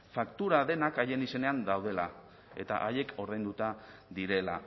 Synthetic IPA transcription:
fakt̪uɾaðe̞nakaje̞nise̞ne̞and̪awð̞e̞la̰ | e̞t̪a̰ʔaje̞ko̞ɾðe̞nd̪ut̪aðiɾe̞la̰

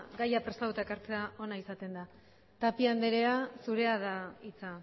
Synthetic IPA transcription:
ɡajapɾe̞st̪at̪ut̪aekaɾt͡se̞ao̞naisat̪e̞nd̪a | t̪apiand̪eɾe̞asuɾe̞aðait͡sa

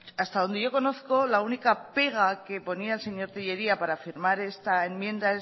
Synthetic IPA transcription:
ast̪aðo̞nd̪eʝo̞ko̞no̞θko̞launikape̞ɣ̞ake̞po̞niaelse̞ɲo̞ɾt̪iʝe̞ɾiapaɾafiɾmaɾe̞st̪aemjẽ̞nd̪ae

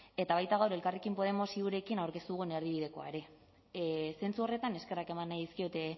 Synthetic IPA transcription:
e̞t̪aβ̞ajt̪aɣawɾe̞lkarekimpo̞ð̞e̞mo̞siuɾe̞kinawɾkest̪uɣ̞une̞ɾðiβiðeko̞a̰eɾe̞ | se̞nt͡suo̞re̞t̪ane̞ske̞rake̞manːajðiskio̞t̪e̞

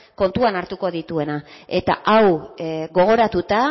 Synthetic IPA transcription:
ko̞nt̪uanaɾt̪uko̞ðit̪ue̞nae̞t̪a̰ʔawɣo̞ɣ̞o̞ɾat̪ut̪a

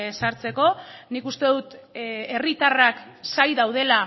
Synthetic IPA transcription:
saɾt͡se̞ko̞nikust̪e̞ðut̪e̞rit̪araksajðawð̞e̞la

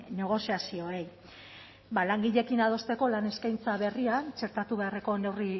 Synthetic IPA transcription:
ne̞ɣ̞o̞siasio̞ej | balaŋɡiʎe̞kinað̞o̞st̪e̞ko̞lane̞skajnt͡saβe̞riant͡ʃe̞ɾt̪at̪uβe̞are̞ko̞ne̞wri

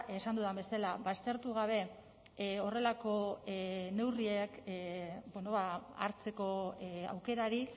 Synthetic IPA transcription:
e̞sand̪uðaβe̞selaβast̪e̞ɾt̪uɣ̞aβ̞e̞ | o̞re̞lako̞ | ne̞wrie̞k | bono̞βaa̰ɾt͡se̞ko̞a̰wke̞ɾaɾi

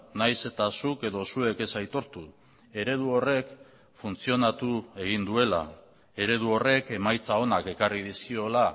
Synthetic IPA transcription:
najse̞t̪asuke̞ðo̞sue̞ke̞sajt̪o̞ɾt̪u | e̞ɾe̞ð̞uo̞re̞k | funt͡sio̞nat̪ue̞ɣind̪ue̞la̰ | e̞ɾe̞ð̞uo̞re̞ke̞majt͡sao̞nake̞karið̞iskio̞la

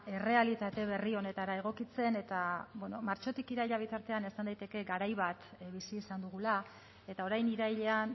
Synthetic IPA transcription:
e̞re̞alit̪at̪e̞β̞e̞rio̞ne̞t̪aɾae̞ɣ̞o̞kit͡se̞ne̞t̪abweno̞maɾt͡ʃo̞t̪ikiɾajʎaβ̞it̪aɾt̪e̞ane̞sand̪ajt̪e̞ke̞ɡaɾajβ̞at̪βisiːsand̪uɣ̞ula | e̞t̪ao̞ɾajniɾajʎe̞an

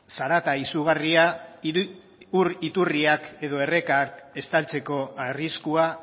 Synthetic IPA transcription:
saɾat̪aisuɣ̞aria | uɾit̪uriake̞ðo̞e̞re̞kake̞st̪alt͡se̞ko̞ariskua

